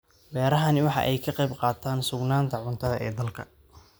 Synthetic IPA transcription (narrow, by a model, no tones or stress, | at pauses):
bɛːɾɐɦɐnɪwɑħɑ̰ʔɛjkʰɐqɑjbqɑːt̪ʰaːnsʊɡnaːnt̪ʰɐʕʊnt̪ʰɐðɐʔɛːd̪ɐlkʰɐ